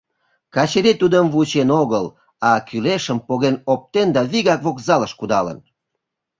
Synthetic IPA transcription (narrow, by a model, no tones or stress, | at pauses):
kɑt͡ɕeɾit̪ud̪əmvut͡ɕenoɣəl | ɑkyleʃəmpoɣenop̚t̪end̪ɑβiɣɑkβokzɑləʃkud̪ɑlə̰n